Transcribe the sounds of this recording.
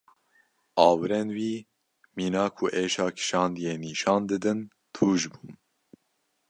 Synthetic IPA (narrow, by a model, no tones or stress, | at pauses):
ʔɑːwɨɾɛnwiː | miːnɑːkʰuʔeːʃɑːkʰɨ̥ʃɑːnd̪ijeːniːʃɑːnd̪ɨd̪ɨn | t̪ʰuːʒbuː